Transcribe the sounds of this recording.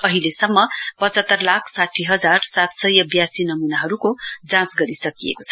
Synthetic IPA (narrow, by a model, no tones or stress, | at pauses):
ʌɦilesʌmːʌpʌt͡sʌt̪ːʌrlakʰsaʈʰiɦʌd͡zarsat̪sʌjʌbjasinʌminaɦʌɾukod͡zãsɡʌɾisʌkijḛkot͡sʰʌ